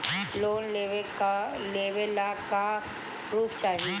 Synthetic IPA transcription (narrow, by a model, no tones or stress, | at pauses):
loːnleʋek | leːʋelaka | ɾuːpʰt͡ʃaːɦe